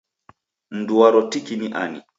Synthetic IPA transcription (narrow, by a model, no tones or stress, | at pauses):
n̩duwaɾɔtikiniʔanḭ